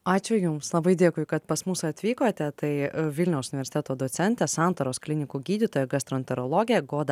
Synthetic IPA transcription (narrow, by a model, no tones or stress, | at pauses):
ɑːt͡ʃʲʊjʊmslˠɐbɐɪd̪ʲeːkʊɪkɐt̪pɐsmʊsɐt̪ʲʋʲiːkoːt̪ʲɛt̪ɐɪʋʲɪlʲnʲɛʊsʊnʲɪʋʲɛɾʲsʲɪt̪ʲɛt̪oːd̪oːt̪sʲɛnʲt̪ʲɛsɑnt̪oːɾoːsklʲɪnʲɪkuːɡʲiːd̪ʲɪt̪oːjɛɡɐst̪ɾoːnʲt̪ʲɛɾoːlˠoːɡʲɪjɛɡoːd̪ɐ